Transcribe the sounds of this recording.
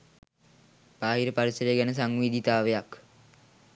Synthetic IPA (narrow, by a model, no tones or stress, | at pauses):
paːɦiɾəpaɾisəɾejəɡænəs̬aŋʋid̪ʱit̪aːʋejak